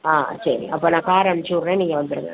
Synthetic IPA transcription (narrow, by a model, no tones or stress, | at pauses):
aːsɐɾḭɐpːoːnãːkaːɾɐɳɐt͡ʃuːɾnẽːniːŋɡɐʋɐnd̪ɯɾɯŋɡɐ̰